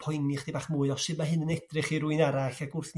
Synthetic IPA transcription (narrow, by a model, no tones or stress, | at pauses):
pʰɔjnɪχd̥eibaːχmuːɨɔsɨmaɦɨnənɛd̥rɪχiɾuɨnaɾaɬaɡʊrθn